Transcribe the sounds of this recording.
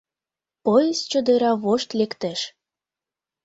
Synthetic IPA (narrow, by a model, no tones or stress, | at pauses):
pojezt͡ɕə̆d̪əɾɑβoʃt̪lekt̪eʃ